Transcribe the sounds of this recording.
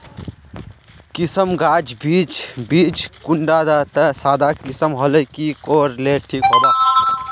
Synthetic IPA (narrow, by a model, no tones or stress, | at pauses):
kisəmɡaːd͡ʒbiːt͡ʃbiːt͡ʃkuɳɖaːd̪at̪əsaːd̪akisəmɦɔləkikoːɾleʈʰiːkɦoːd̪aː